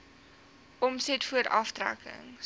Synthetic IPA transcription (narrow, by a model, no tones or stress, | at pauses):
ʔɔmsɛtfuəɾʔɐftræ̰kʰə̰ŋ